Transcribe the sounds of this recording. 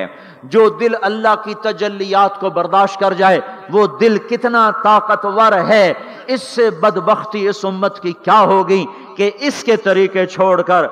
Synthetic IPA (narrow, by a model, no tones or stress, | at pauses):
d͡ʒoːd̪ɪlɐlːaɦkit̪ɐd͡ʒəlːijaːt̪kobɐɾd̪aːʃt̪̚kɐɾd͡ʒaːeʋoːd̪ɪlkɪt̪nat̪aːqət̪ʋɐɾɦɛ | ɪsːebɐd̪bəxt̪iɪsʊmːət̪kikjaːɦoːɡɐi | keɪsket̪ɐɾiːqet͡ʃʰoːɽkɐɾ